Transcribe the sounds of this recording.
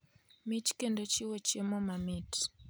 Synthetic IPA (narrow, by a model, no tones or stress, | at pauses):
mit͡ʃkendot͡ʃɪwot͡ʃemɔmamit